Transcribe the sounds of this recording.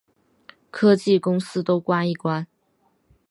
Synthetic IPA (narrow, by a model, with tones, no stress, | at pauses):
kʰɤ˥t͡ɕi˥˩kʊ˥ŋsɹ̩˥t̪o˥ʊkwa˥ni˥˩kwa˥n